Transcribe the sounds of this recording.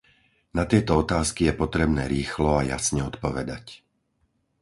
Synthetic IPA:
nat̪ɪɛt̪ɔɔt̪aːskijɛpɔt̪ɾɛbnɛːɾiːxlɔaja̰sɲɛɔt̪pɔʋɛd̪a̰c

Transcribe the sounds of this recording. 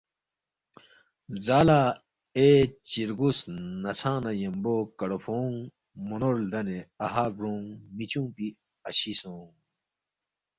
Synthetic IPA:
zaːlaː | et͡ɕiɾɡusnɐsʰãːnɐjembokɐɽofoːŋ | munoɾd̪ɐneɐɦaːɡɾõːŋmit͡ɕũːpi | ɐɕisõːŋ

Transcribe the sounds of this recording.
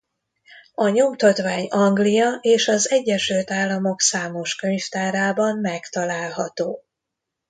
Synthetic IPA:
ɒɲo̞mt̪ɒt̪ʋaːɲɒŋɡlijɒʔeːʃɒzɛɟːɛʃylt̪aːlːɒmo̞ksaːmo̞ʃkø̞ɲft̪aːɾaːbɒmmɛkt̪ɒlaːlɦɒt̪oː

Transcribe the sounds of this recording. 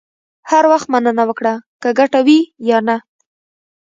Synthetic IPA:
haɾwaxt̪manənawəkɽakəɡaʈawijɑna

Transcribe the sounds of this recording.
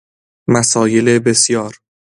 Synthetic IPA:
mæsɒːje̞lebe̞sjɒːɾ

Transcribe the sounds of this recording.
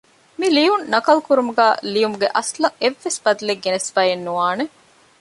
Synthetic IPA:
milijunːɐkɐlkuɾumuɡæːlijumuɡeʔɐslɐʔeʋːesbɐd̪uleɡːenesfaːjenːuʋaːne

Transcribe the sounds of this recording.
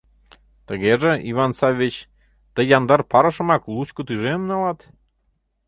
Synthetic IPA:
t̪əɣeʒĕʔivɑnsɑvʲit͡ɕ | t̪əjɑnd̪ɑrpɑɾəʃɤ̆mɑklˠut͡ɕkot̪yʒemnɑlɑt̪

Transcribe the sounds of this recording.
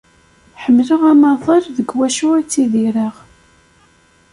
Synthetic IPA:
ħəmːləʁæmɑðˤɑɾðəɡwæʃuæt͡sːiðiɾəʁ

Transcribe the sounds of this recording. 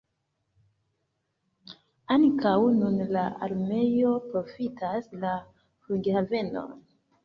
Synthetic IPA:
aŋkawnunlaa̰ɾme̞jo̞pɾo̞fitasla | fuɡhave̞no̞̰n

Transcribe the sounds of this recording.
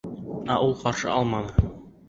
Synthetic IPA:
æʔulˠqɒɾʃɤ̰ʔɒlˠmɑnɤ

